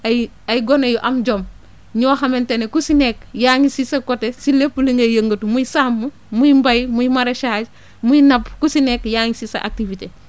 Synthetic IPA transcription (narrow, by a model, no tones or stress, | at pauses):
ɐjɡonɐjuʔɐmd͡ʒom | ɲoːɦɐmentenekusinekjaːɲisisɐkotesilepːuliŋɡɐjɐŋɡotumuisaːmːu | mujimbɐjmujimaɾeʃaːd͡ʒ | mujinɐpkusinekjaŋisisɐ̰ʔa̰k̚tivite